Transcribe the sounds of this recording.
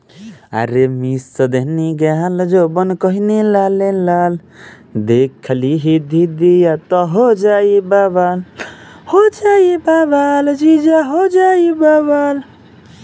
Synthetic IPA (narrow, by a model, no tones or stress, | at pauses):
a̰ɾemisːəd̪eɦniɡeɦald͡ʒobənkɔɦinelalelal | d̪ekʰliɦid̪id̪ijat̪ɔɦod͡ʒaibabal | hod͡ʒaibabald͡ʒid͡ʒaɦod͡ʒaibabal